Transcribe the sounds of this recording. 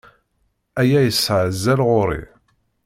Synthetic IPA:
æjæjəsːʕəzːælʁʊɾḭ

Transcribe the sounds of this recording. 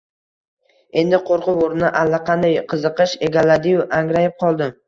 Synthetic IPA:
e̞nd̪ɪqʰoɾqʊoɾnɪʔalːaqʰɑnd̪ajqʰɨzɨqɨʃe̞ɡʲalad̪ɪjʊʔaŋɾajɪp̚qʰɒlˠd̪ɪ

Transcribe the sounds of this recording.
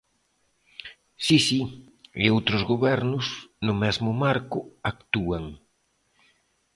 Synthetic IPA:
sisi | ɪ̰owt̪ɾʊzɣoβɛɾnʊsnʊmɛzmʊmaɾkʊak̚t̪uaŋ

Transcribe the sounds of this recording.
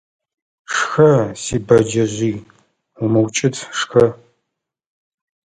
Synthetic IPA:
ʂxɐsiːbɐd͡ʒɐʑiː | umɨwt͡ʃʼɪtʰʂxɐ

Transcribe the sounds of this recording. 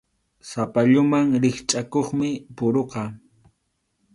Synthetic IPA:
sapaʎʊmaŋɾɪχt͡ʃʼakoχmɪpʊɾoqɑ

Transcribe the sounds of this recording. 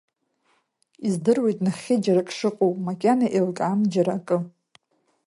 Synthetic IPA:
izdɨrwe̞jtʼnaχʲɪd͡ʒarakʼʂɨqʼowʼmakʲʼanaʔelkʼamd͡ʒaɾakʼɨ

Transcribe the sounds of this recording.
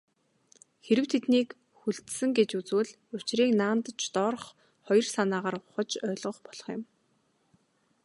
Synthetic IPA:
xeɾɘ̆wt̪ʰet̪niːk | xuɬt̪sɘ̆ŋɡet͡ɕut͡swɘ̆ɮ | ʊt͡ɕriːknaːnt̪ət͡ɕt̪ɔːɾ̆χ | χɔjɞ̆rsanaːʁaːrʊχə̆t͡ɕœːɮʁə̆χpɔɮ̥ɞ̆χjʊ̰̆m

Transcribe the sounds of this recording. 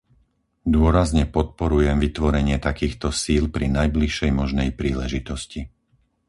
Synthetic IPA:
d̪ʊɔɾazɲɛpɔt̪̚pɔɾujɛmʋit̪ʋɔɾɛɲɪɛt̪akiːxt̪ɔsiːlpɾinajbliʃɛjmɔʒnɛjpɾiːlɛʒit̪ɔsci

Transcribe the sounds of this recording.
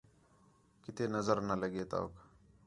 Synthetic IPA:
kɪt̪eːnəzəɾnələɡeːt̪a̰o̰k

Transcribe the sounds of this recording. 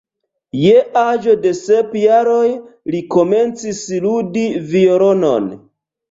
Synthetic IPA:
jeʔaʒo̞de̞se̞pjaɾo̞jliko̞me̞nt͡sisludivioɾono̰n

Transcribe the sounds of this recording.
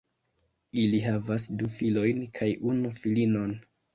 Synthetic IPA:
iliɦavasdufilo̞jnkʰajʔunufilino̞n

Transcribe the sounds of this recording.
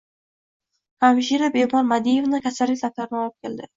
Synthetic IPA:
amʃiɾabehmɒɾmad̪ijevnɪkʲʰasalːɪkʲlap̚t̪aɾɪnɪɒlɪp̚kʲʰeld̪ɪ

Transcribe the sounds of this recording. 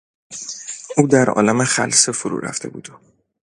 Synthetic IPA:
ʔuːd̪æɾɒ̰ːlæmeχælsefoɾṵːɾæ̰ft̪ʰe̞bṵːd̪̥o

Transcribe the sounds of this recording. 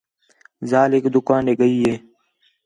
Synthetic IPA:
zaːlɪkd̪ʊkaːneːɡəiːɦeː

